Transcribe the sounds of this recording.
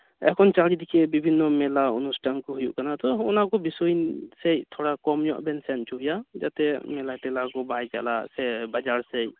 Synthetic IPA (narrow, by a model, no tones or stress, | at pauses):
ɛ̰kʰɔnt͡ʃalid̪ikʰɛbibʱinːɔmɛlaunustʰankɔɦujṵʔkanat̪ɔunakɔbisɔjnsejt̪ʰɔɽakɔmjɔʔbɛnsɛntuɦjad͡ʒat̪ɛmɛlatɛlakɔbajka̰lasɛbad͡ʒaɹsej